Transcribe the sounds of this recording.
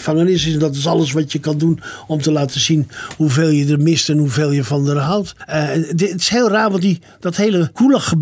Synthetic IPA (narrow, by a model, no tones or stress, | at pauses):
faŋənɪs̬ɪsɛndɔt̬ɪs̬ɑləs̬ʋɑtjəkɑndunɔmtəlaːtəzinhuveːlˠjədərmɪstɛnhuveːlˠjəvɑndərɦawt | tɪ̥sheːlˠraːɹʋɔntdi | d̥ɔtheːləkuləxəb